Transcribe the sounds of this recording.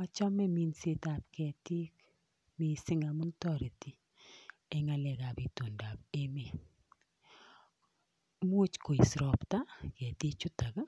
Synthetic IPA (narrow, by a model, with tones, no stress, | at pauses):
ɔ˦t͡ʃɔ˦mɛ˦mi˨nse˦ta˨p̚kɛ˨ti˦k | mi˨sɪ˦ŋa˨mʊ˦ntɔ˦˨ɾe˨ti˦ | ɛ˨ŋa˨lɛ˨ka˨pi˨to˨nda˨pe˦me˨ | mu˦t͡ʃko˨i˨sɾɔ˨pta˦kɛ˨ti˦t͡ʃʊ˦ta˨ka˦